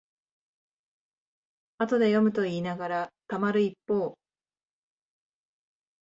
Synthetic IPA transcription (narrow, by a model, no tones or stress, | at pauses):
at̪o̞d̪e̞jo̞mɯ̟t̪o̞iːnaɡaɾat̪amaɾɯ̟ipːoː